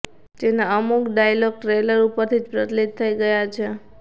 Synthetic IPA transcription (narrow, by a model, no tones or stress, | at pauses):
d͡ʒenaəmukɖajlɔɡ̚ʈɾeləɾupəɾt̪ʰid͡ʒpɾət̪lit̪̚t̪ʰːəiɡəjat͡ʃʰe